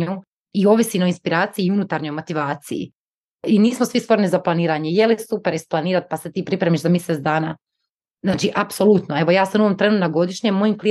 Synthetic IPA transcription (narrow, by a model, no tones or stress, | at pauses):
u | io̞ʋisino̞inspiɾaːt̪sijiiunut̪aɾɲo̞jmo̞t̪iʋaːt̪sḭjḭ | iniːsmosʋist̪ʋo̞ɾnizaplˠaniːɾaːɲejelisupeɾisplˠaniːɾat̪̚paset̪iːpɾipɾe̞miʃzamjiset̪d̪aːnaː | znaːt͡ʃiʔapso̞lˠut̪noeʋo̞jaːsanuʋomt̪ɾe̞nut̪naɡo̞d̪iʃɲemːo̞jimkli